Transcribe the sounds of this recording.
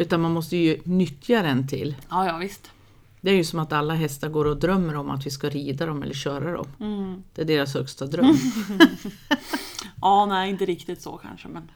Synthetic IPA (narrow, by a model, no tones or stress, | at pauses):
ʉ̟ːt̪anmanmɔst̪əjɵnʏt̪ʰːjaɾɛnt̪ʰɪ̰lːɑːjɑːvɪst̪ | d̪̥ɛæɾjɵsɔmat̪alːaɦɛst̪aɾɡoːɾɔd̪ɾœmːəɾɔma̰t̪vɪskaɾiːd̪ad̪ɔmɛ̰lːəɕœːɾad̪ɔ̰md̪̥ɛæɖeːɾashœkst̪ad̪ɾœmː | ʔɑːnɛːɪnt̪əɾɪkt̪ɪt̪sɔ̰kʰa̰nʂəmɛn